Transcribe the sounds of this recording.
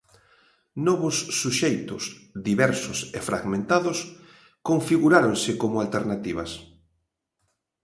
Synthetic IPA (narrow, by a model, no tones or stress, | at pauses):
nɔβʊsːuʃejt̪ʊ̰sðiβɛɾsʊsefɾʔa̰ɣmẽnt̪aðʊs | koɱfiɣuɾaɾoŋsɪkomʊalt̪eɾnat̪iβɐs